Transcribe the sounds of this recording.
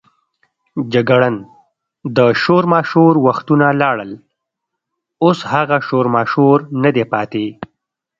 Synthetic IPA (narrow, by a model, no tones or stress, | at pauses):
d͡ʒaɡaɽən | d̪əʃoɾmɑʃoɾwaxt̪unalɑɽəl | oshaɣaʃoɾmɑʃoɾnad̪epɑt̪e